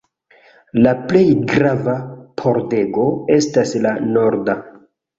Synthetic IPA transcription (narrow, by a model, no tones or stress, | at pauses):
laple̞jɡɾavapʰoɾde̞ɡo̞e̞staslano̞ɾda